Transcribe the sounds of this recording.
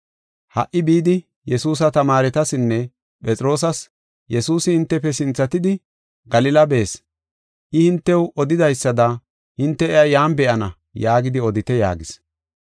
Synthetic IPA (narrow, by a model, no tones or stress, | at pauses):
hɐ̰ʔːɪbiːd̪ɪ | jɛsuːs̬ɐt̪ɐmaːɾɛt̪ɐsɪnːɛ | pʼɛt͡sʼɪɾo̞ːs̬ɐs | jɛsuːsɪhɪnt̪ːɛpːɛsɪnt͡sːɐt̪ɪd̪ɪ | ɡɐlɪlɐbe̞ːs | ʔɪhɪnt̪ːɛwʔɔd̪ɪd̪ɐjsːɐd̪ɐ | hɪnt̪ːɛɛɐjaːmbɛʔɐnɐ | jaːɡɪd̪ɪɔd̪ɪt̪ɛja̰ːɡɪs